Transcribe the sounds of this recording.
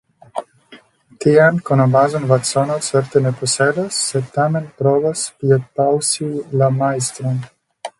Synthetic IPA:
t̪ijankɔnabazɔnvasɔnasɛɾt̪ɛneposɛd̪asːɛt̪amenpɾɔvaspiet̪̚pawsilamajst̪ɾɔn

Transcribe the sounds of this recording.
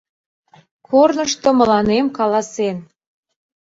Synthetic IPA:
kʰornəʃt̪ŏmə̆lɑnemkɑlɑsen

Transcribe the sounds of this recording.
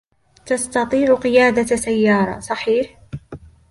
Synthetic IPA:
t̪ɑst̪ɑt̪ˤiːʕʊqɪjaːd̪asajːɑːɾˤɑ̰sˤɑħiːħ

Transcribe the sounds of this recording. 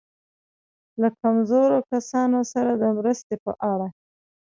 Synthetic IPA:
lakamzoɾokasɑnosaɾad̪əmɾəst̪epə̰ʔaɽa

